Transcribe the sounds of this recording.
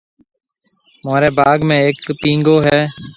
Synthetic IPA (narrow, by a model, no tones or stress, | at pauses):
maːɾeːbaːɡmẽːeːkpĩːŋɡoːɦɛː